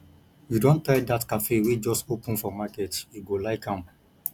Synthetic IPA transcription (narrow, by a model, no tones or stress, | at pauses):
judõntaɪdatkafewed͡ʒɔstopʊ̃n̩fɔmaketiɡolaɪkãm